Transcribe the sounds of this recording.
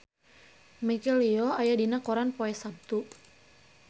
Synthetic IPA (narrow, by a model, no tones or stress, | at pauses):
mikɛliɔajadinakɔɾanpɔɛsab̚t̪u